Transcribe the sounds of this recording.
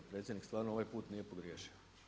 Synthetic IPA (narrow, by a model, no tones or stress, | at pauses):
pɾe̞t̪sʲjed̪nikst̪ʋaːɾnooʋajpuːt̪nije̞poɡɾjeːʃio